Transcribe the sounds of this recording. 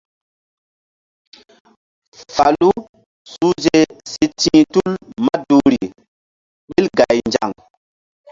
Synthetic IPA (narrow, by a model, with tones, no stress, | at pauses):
fa˨lu˦ | su˦ze˦se˦tʰĩː˦tu˦lma˦du˨ɾi˨ | ɓi˦lɡa˨jnd͡ʒa̰˨ŋ